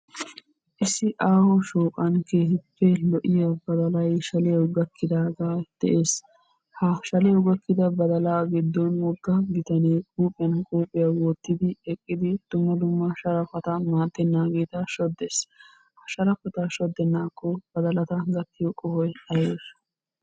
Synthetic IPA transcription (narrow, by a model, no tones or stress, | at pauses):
ʔɪsːɪʔaːhɔʃoːkʼɐnkeːhɪpːɛlɔʔɪjɐbɐd̪ɐlɐjʃɐlɪjɐwɡɐkʰːɪd̪aːɡaːd̪̥ɛ̰ʔeːs | hɐʃɐlɪjɐwɡɐkːɪd̪ɐbɐd̪ɐlaːɡɪd̪ːɔnwɔɡːɐɡɪt̪ɐneːkʼuːpʼɪjɐnkʼuːpʼːɪjɐwɔt̪ːɪd̪ɪɛkʼːɪd̪ɪd̪̥ʊmːɐd̪ʊmːɐʃɐɾɐfɐt̪ɐmaːt̪ːɛnːaːɡeːt̪ɐʃɔd̪ːes | hɐʃɐɾɐfɐt̪ɐʃɔd̪ːɛnːaːkːɔb̥ɐd̪ɐlɐt̪ɐɡɐt̪ːɪjɔkʼɔhɔjɐjeːs